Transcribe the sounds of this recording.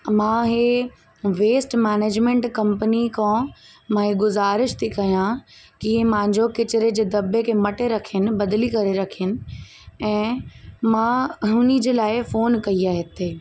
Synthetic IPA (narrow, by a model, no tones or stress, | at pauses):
mãːɦe | ʋeːsʈmɛːneːd͡ʑmẽɳʈkɐ̃mpənikʰõ | mãɦeɡʊzaːɾɪʃt̪ʰikɐjãkiẽmãːɪ̃ɲd͡ʑokɪt͡ɕɾed͡ʑeːd̪ɐbekʰeːmɐʈeɾɐkʰənɪ̆bɐd̪likɐɾeɾɐkʰiənɪ̆ | ɛ̃ːmãɦʊnid͡ʑeːlaːɪfoːnkɐiaːɦɪt̪ʰeː